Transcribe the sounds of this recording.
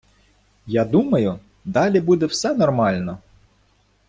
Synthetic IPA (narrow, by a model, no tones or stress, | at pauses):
jɑd̪umɐjʊ | d̪ɑlʲibud̪ɛwsɛnɔrmɑlʲnɔ